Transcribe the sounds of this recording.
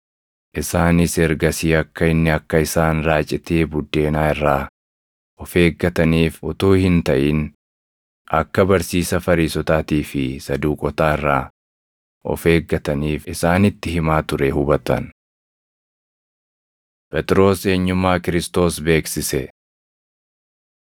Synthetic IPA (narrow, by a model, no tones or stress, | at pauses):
ʔɪsaːnɪsɛɾɡɐsiːɐkːɐɪnːɪɐkːɐɪsaːnɾaːt͡ʃʼːɪt̪eːbʊd̪ːe̞ːnaːɪrːaː | ʔɔfe̞ːɡːɐt̪ɐniːfʊt̪uːhɪnt̪ɐʔiːn | ʔɐkːɐbɐɾsiːsɐfɐɾiːsɔt̪aːt̪iːfɪsɐd̪uːkʼɔt̪aːɪrːaː | ʔɔ̰fe̞ːɡːɐt̪ɐniːfɪsaːnɪt̪ːɪɦɪmaːt̪ʊɾɛhʊbɐt̪ɐ̰n | pʼɛt̪ʼɪɾo̞ːse̞ːɲːʊmːaːkɪɾɪst̪o̞ːsbe̞ːksɪsɛ